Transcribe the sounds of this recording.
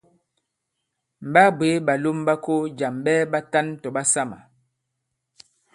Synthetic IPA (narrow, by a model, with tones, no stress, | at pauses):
m̩˨ba˦bwe˨˦ba˨lo˦mba˦ko˦d͡ʒa˨mbɛː˦ba˦ta˦n˦tɔ˨ba˦sa˦ma̰˨